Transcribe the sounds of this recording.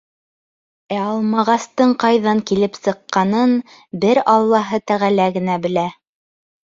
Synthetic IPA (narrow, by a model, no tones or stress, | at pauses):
æɑlˠmɑʁɑst̪ɤɴqɑjðɑŋkilɘpsɤ̆qːɑnɤn | bɘɾɑlˠːɑɦɤt̪æʁælæɡɘ̆næbɘ̆læ